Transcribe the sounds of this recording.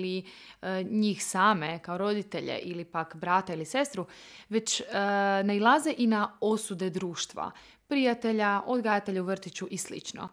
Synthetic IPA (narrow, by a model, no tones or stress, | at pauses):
li | ɲiːxsaːme̞kaoɾo̞d̪it̪e̞ʎḛʔilipakbɾat̪ailise̞st̪ɾuʋe̞t͡ɕ | nailˠazeʔinao̞sud̪e̞d̪ɾuːʃt̪ʋa̰ | pɾijat̪e̞ʎaʔo̞d̪ɡajat̪e̞ʎauʋr̩t̪it͡ɕuʔislḭt͡ʃno̰